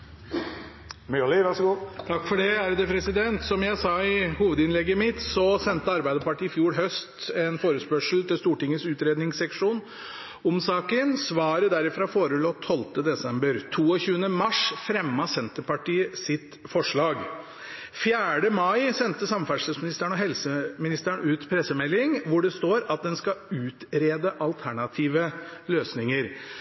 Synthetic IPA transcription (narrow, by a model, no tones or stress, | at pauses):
mylɪʋæʂɡuːt̪ʰɑkːfɔɖɛæɾd̪ɛpʰɾɛsɪd̪ɛnt̪sɔmjæɪsɑɪhuːʋəd̪ɪnlɛɡːəmɪt̪sɔsɛnt̪əɑɾbæɪd̪əpɑʈiːɪfjuːɽɦœst̪ɛnfoːɾəspœʂl̩t̪ɪlst̪uːʈɪŋːəsʉːt̪ɾeːd̪nɪŋsɛkʂuːn | ʊmsɑːkənsʋɑːɾəd̪æɾɪfɾɑːfoːɾəloːt̪ʰɔlt̪əd̪ɛsɛmbəɾt̪ʰuːɔçʉːənəmɑʂfɾɛmːɑsɛnt̪əpɑʈiːəsɪt̪fɔʂɭɑːɡ | fjæːɖəmɑɪsɛnt̪əsɑmfæʂəsmɪnɪst̪əɳɔɦɛlsəmɪnɪst̪əɳʉːt̪pʰɾɛsːəmɛlːɪŋʋʊɖɛst̪oːɾɑt̪̚d̪ɛnskɑʉːt̪ɾeːd̪əʔɑlt̪ʰæɳɑt̪ʰiːʋəløːsnɪŋəɾ